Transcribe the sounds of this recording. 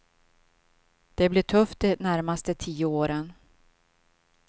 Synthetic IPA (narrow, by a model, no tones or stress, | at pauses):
d̪̥ɛblɪʈʰɵft̪̚d̪ɛnæɾmast̪ət̪ʰiːəoːɾən